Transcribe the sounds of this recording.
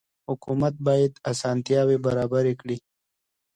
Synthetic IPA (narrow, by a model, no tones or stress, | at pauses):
hʊkumɐt̪̚baːjɪd̪asaːnt̪jaːwebɐɾaːbəɾekɽi